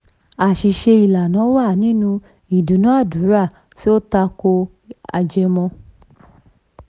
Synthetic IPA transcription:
a˨ʃi˨ʃe˧i˨la˨nã˨˦wa˦˨nĩ˨˦nũ˧ | i˨du˨˦nũ˨˦a˦˨du˨˦ɾa˦˨ | ti˦o˦ta˧ko˧ | a̰˨d͡ʒɛ˧mɔ̃˧

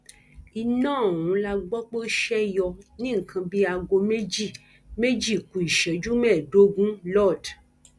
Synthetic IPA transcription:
i˧nãː˦˨wũ˨˦la˧ɡ͡bɔ˦k͡po˦ʃɛ˦jɔ˧nĩ˦ŋ̩˨kʰã˧bi˦a˧ɡo˧me˦d͡ʒi˦˨ | me˦d͡ʒi˦˨kũ˨i˨ʃɛ˨˦d͡ʒu˦mɛ̃˦˨do˦ɡũ˦lɔ˦˨d

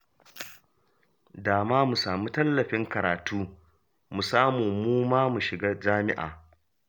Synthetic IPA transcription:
daː˨maː˦mu˨saː˨muː˦tɐ˦lːɐ˨ɸɪ˦ŋkɐ˨ɾaː˨tuː˦ | mu˨saː˦muː˨muː˦maː˦mu˨ʃɪ˨ɡaː˦d͡ʒaː˦mɪ̰˦ʔa̰ː˨

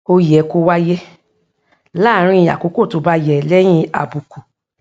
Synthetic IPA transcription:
o˧jɛ˨ko˧˦wa˦jɛ˦ | la˦˨˦ɾ̃ĩ˦i˧ja̰˨ko˨˦ko˦˨to˧˦ba˧jɛ˨lɛ˦j̃ĩ˦a̰˨bu˨ku˨

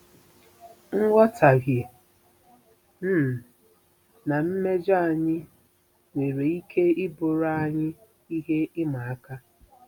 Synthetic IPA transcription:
ŋ̩˦wʷɔ˦tʰa˨ɡe˨ | m̩˦˨ | na˨m̩˦me˦d͡ʒa˦a˨ɲɪ˦ | ŋʷe˨ɾe˨i˦kʰe˦ɪ˦bʊ˨ɾa˦a˦˨ɲɪ˦ | i˦ɦe˦ɪ˦ma˨a˦ka˦

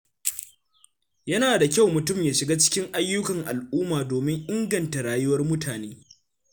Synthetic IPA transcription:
jɐ˦naː˨da˨kʲa˦˨wmʊ˨tʊ˦˨mjaː˨ʃɪ˨ɡaː˦t͡ʃɪ̥˦kʲɪ˦ŋʔa˦jːʊ˦kɐ˨ŋʔa˨lʔuː˦maː˨doː˨mɪ˦ŋʔɪ˦ŋɡɐ˨nta˨ɽaː˨jʊ˦wɐ˦rmʊ˦tʰaː˨neː˦

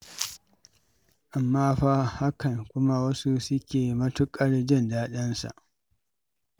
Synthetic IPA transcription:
ʔa˨mːaː˦ɸa˦ha˦kɐ˨ŋkʷʊ˦ma˦wɐ˦su˦sʊ˦kʲeː˨mɐ˦tʊ˦kʼɐ˦ɽd͡ʒɪ˦ndaː˦ɗɐ˦nsa̰˨ʔ

